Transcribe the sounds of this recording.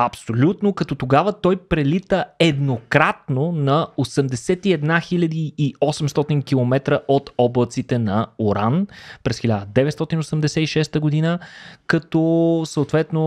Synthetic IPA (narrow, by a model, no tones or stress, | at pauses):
ɐpsolʲut̪nokɐt̪ɔt̪oɡavət̪ɔjpɾɛlit̪əɛd̪nokɾat̪̚nonɐosɛmd̪ɛsɛt̪iɛd̪naxilʲəd̪iːɔsɛmst̪ɔt̪iŋkʲilˠomɛt̪ɾəʔot̪ɔblˠət̪sit̪ɛnɐoɾanpɾɛsxilʲad̪əd̪ɛvɛt̪st̪ɔt̪inosɛmd̪ɛsɛiʃɛst̪əɡod̪inəkɐt̪ɔsəot̪vɛt̪no